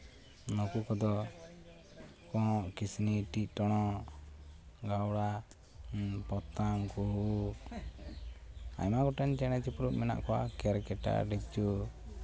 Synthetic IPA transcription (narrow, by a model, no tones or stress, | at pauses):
nɔkukɔd̪ɔ | kɔ̃ʔkisniʈic̚ˀʈɔɽ̃ɔ | ɡawɽa | pɔt̪amkuɦu | a̰jmaɡɔʈɛnt͡ʃɛɽ̃ɛt͡ʃipuɾuʔ̚mɛna̰ʔkɔwakɛɾkɛʈa̰ɖit͡ʃu